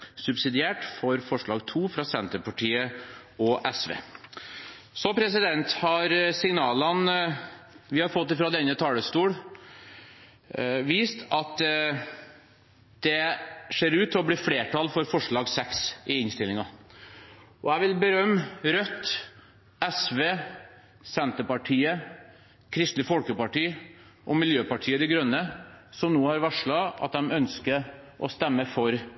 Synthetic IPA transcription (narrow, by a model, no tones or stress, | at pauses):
sʉbsɪd̪ɪeːʈfɔɾfɔʂɭɑːɡt̪ʰuːfɾɑsɛnt̪əɾpɑʈʰiːə | ɔʔɛsʋḛː | sɔpʰɾɛs̬ɪd̪ɛnt̪hɑɾsɪŋnɑːlən | ʋɪhɑɾfɔt̪ːɪfɾɑd̪ɛnːət̪ʰɑːləst̪uːɽ | ʋiːst̪ʰɑt̪ | d̪̥ɛʂeːɾʉːt̪ʰːɪlɔbɽiːfɽeːʈʰɑlfɔɾfɔʂɭɑːɡsɛksɪɪnst̪ɪlɪŋɑ | ʔɔæɪʋɪlbəɾœmːɾœt̪ː | ɛsʋeː | sɛnt̪əpɑʈʰiːə | kʰɾɪst̪lɪfɔlkəpɑʈiː | ʔɔmɪljøːpɑʈʰiːəd̪ɛɡɾœnːəsɔmnoːhɑɾʋæʂɭɑɑ̰t̪̚d̪ɛmœnskə | ʔɔst̪ɛmːəfɔɾ